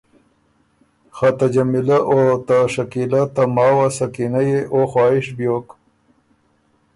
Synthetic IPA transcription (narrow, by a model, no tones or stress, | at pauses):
xat̪ad͡ʒamɪlaʔot̪aʂakilat̪amɑːwasakinajeʔoxwɑːɪʃbjoːk